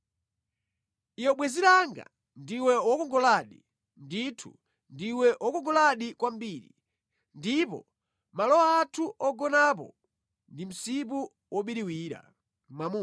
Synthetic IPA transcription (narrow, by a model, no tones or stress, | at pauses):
ijɔɓwɛziɾaŋɡa̰ | ndiwɛwɔkɔŋɡɔlaɗi | nditʰṵ | ndiwɛʔɔkɔŋɡɔlaɗikwam̩biːɾḭ | ndipɔ̰ | malɔwaːtʰuʔɔɡɔnap̬ɔ̰ | ndim̩sip̬u | wʔɔɓiɾiwiːɾa̰ | mamu